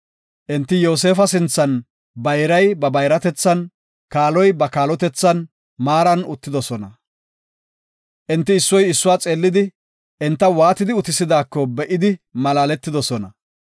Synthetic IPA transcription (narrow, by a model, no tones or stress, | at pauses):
ʔɪnt̪ːɪjo̞ːs̬e̞ːfɐsɪnt͡sːɐn | bɐjɾɐjbɐbɐjɾɐt̪ɛt͡sːɐn | kaːlɔjbɐkaːlɔt̪ɛt͡sːɐn | maːɾɐnʊt̪ːɪd̪ɔsɔnɐ | ʔɪnt̪ːɪːsːɔjɪsːʊwaːt͡sʼeːlːɪd̪ɪ | ʔɪnt̪ːɐwaːt̪ɪd̪ɪʊt̪ɪsɪd̪aːkːɔbɛʔɪd̪ɪmɐlaːlɛt̪ːɪd̪ɔsɔnɐ